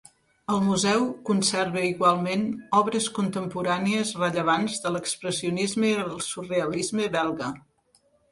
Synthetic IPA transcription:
əlˠmuzɛwkunsɛɾβəiɣwalˠmenɔβɾəskunt̪əmpuɾaniəzrəʎəβ̞anzðələkspɾəsiunizməiəlˠsureəlizməβɛlˠɣə

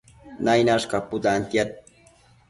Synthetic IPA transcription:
najnaʂkapʊt̪ant̪jat̪̚

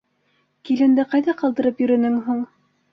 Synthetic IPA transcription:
kilɘ̆nd̪ɘqɑjðɑqɑlˠd̪ɤ̆ɾɤpjɵ̆ɾɵ̆nɘŋɦuɴ

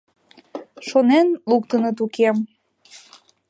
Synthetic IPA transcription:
ʃonenluk̚t̪ənət̪ukem

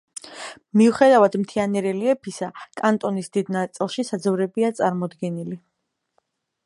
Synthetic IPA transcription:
miuχɛd̪avad̪mt̪ʰianɛɾɛliɛpʰisakʼant̪ʼɔnisd̪id̪nat̪sʼilˠʃisad̪zvɾɛbiat̪sʼaɾmɔd̪ɡɛnili

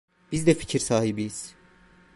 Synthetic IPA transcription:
b̥izd̪ɛfi̥cʰiɾsaːɦibijiz̥

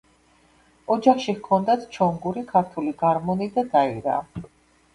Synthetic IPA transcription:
ɔd͡ʒaχʃikʰɔnd̪at̪ʰt͡ʃʰɔŋɡuɾikʰaɾt̪ʰuliɡaɾmɔnid̪ad̪aiɾa̰ː

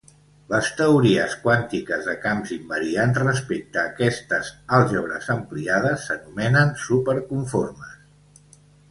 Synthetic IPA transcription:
ləst̪əuɾiəskwant̪ikəzðəkamzimbəɾianzrəspek̚t̪əːkɛst̪əzalˠʒɔβɾə̰zəmpliað̞əsːənumɛnənsupəɾkuɱforməs

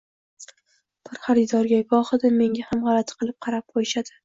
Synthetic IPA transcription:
b̥ɪɾχaɾɪd̪ɒɾɡʲaɡɒχɨd̪ɪme̞ŋʲahamʁɑlˠat̪ʰqʰɨlˠɪp̚qʰɑɾap̚qʰojɪʃad̪ɪ

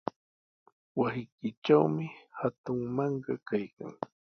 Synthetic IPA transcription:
wasɪjkɪt͡ʃawmɪhat̪ʊŋmɑɴɢɑkajka̰ŋ

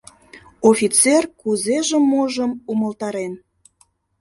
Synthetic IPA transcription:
ofʲit͡serkuzeʒemːoʒəmuməlt̪ɑɾen

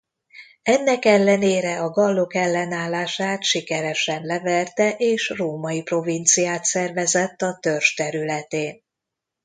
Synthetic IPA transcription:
ɛnːɛkɛlːɛneːɾɛɒɡɒlːo̞kɛlːɛnaːlːaːʃaːt̪ʃikɛɾɛʃɛnlɛvɛrt̪ɛʔeːʃroːmɒjipro̞vint̪sijaːt̪sɛrvɛzɛt̪ːɒt̪ø̞rʃt̪ɛɾylɛt̪eːn

